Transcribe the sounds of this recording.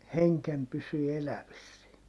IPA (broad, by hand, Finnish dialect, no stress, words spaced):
heŋkem pysyː elæʋisːie